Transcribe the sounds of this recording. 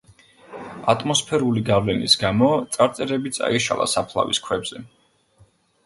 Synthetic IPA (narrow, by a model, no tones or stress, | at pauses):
at̪ʼmɔspʰɛɾuliɡavlɛnisɡamɔt̪sʼaɾt̪sʼɛɾɛbit̪sʼa̰iʃa̰lˠa̰sapʰlˠa̰viskʰwɛbz̥ɛ